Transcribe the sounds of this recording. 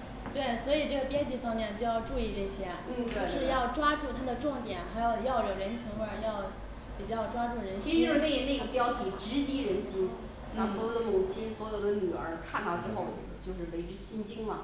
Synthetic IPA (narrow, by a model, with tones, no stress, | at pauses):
t̪we˥˩ɪswɔ˧˥i˨˩ʈ͡ʂɤ˥˩ɡə˩pjɛ˥nt͡ɕi˥˩fɑ˥ŋmjɛ˥˧nt͡ɕjo˥˧jɑ˥˧ʊʈ͡ʂu˥˧i˥˧ʈ͡ʂɤ˥˩ɕjɛ˥t͡ɕn̩˥˧jo˥˧ʊʂɻ̩˥˧jɑ˥˩ʊʈ͡ʂwa˥ʈ͡ʂu˥˩t̪ʰa˥d̪ə˨ʈ͡ʂʊ˥˩ŋt̪jɛ˨˩˦nxa˧˥ɪjo˨˩ʊjɑ˥˩ʊjo˨˩ɻə˧˥nt͡ɕʰi˧˥ŋbə˞˨˩jɑ˥˩ʊ | pi˨˩t͡ɕjɑ˥˧ʊʈ͡ʂwa˥ʈ͡ʂu˥˩ɻə˧˥nt͡ɕʰi˧˥ʂɻ̩˥˧˥pe˥˧ɪne˥˩ɡə˩pjɑ˥ʊt̪ʰi˨˩ʈ͡ʂɻ̩˧˥t͡ɕi˥ɻə˧˥nɕi˥n | na˥˩swɔ˧˥jo˨˩ʊd̪ə˦mu˨˩t͡ɕʰi˥nswɔ˧˥jo˨˩ʊd̪ə˧˦ny˨˩ə̰˞˧˥kʰa˥˧nt̪ɑ˥˧ʊʈ͡ʂɻ̩˥xo˥˩ʊ | t͡ɕjo˥˧ʊʂɻ̩˥˩we˧˥ɪʈ͡ʂɻ̩˥ɕi˥nt͡ɕi˥ŋmɐ˨˩